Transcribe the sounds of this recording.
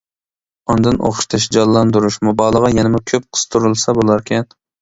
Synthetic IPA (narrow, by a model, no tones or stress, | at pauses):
ɑnd̪ɨnʔo̰χʃt̪ʰɨʃd͡ʒɑlˠːɑnd̪uɾuʃmubɑːlˠəʁɑjɛnɪmʊkʲʰøp̚qʰə̥st̪ʰuɾɨlˠsɑbolˠɑɾkʲʰɛn